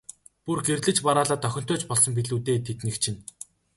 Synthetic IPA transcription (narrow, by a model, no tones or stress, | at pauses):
purɡerɮɘ̆t͡ɕpaɾaːɮaːt̪ʰːœxʲɪ̆n̥t̪ʊːt͡ɕpɔɮsɞ̆mp̬iɮuːt̪eːt̪ʰet̪nɘ̆kt͡ɕʰɪ̆n